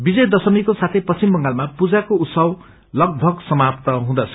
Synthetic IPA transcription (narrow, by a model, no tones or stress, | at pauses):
bid͡zʌjd̪ʌsʌmikosat̪ʰʌjpʌt͡simbʌŋɡalmapud͡zakout̪sʌw | lʌɡ̚bʱʌɡsʌmapt̪ʌɦũd̪ʌt͡sʰʌ